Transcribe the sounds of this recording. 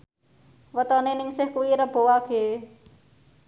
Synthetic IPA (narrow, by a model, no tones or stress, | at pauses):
wət̪ɔnenɪŋsɪhkuwiɾəb̥o̤waɡ̥e